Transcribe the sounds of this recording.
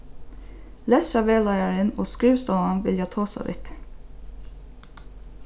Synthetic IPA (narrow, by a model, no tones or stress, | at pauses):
lɛsɑʋeːlɑɪəɹənoːskɹiːʋst̪oːɑnʋɪljɑːt̪ʰoːsɑ̰ʋɪ̰t̪